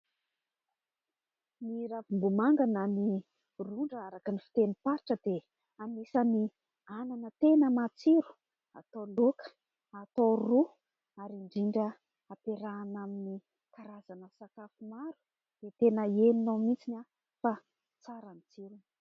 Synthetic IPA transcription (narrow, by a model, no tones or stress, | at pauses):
niɾavimbumaŋɡanani | ruɳɖ͡ʐaɾakənifi̥t̪enipaɾʈ͡ʂəd̪e | anisəni | ananət̪enəmat͡siɾu̥ | a̰t̪olokə̥ | at̪oru | aɾiɳɖ͡ʐiɳɖ͡ʐə | apeɾaːnamini | kaɾazanəsakafumaɾu̥ | d̪̥et̪enəieninamit͡sina | fa | t͡saɾanit͡siɾun